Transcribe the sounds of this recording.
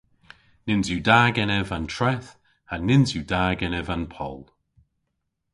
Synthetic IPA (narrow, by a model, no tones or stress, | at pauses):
nɪnzjudaːɡɛnɛvantʰɹɛθ | anɪnzjudaːɡɛnɛvanpʰɔ̰lˠ